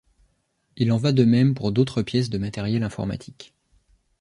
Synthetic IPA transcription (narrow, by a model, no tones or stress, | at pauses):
ilɑ̃vad̪əmɛmpuʁd̪ot̪χəpjɛs̬d̪əmat̪ɛʁjɛlɛ̃fɔ̰ʁma̰t̪ʰi̥k